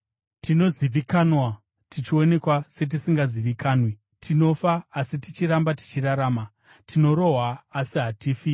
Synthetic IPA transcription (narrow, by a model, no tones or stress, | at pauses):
tino̞ziʋikanwa | tit͡ʃio̞ne̞kwase̞t̬isiŋɡaziʋikaːnwi | tʰino̞faːsitit͡ʃiɾambati̥t͡ʃiɾaɾaːma | tʰino̞ɾo̞ɦwaːsiɦatiːfi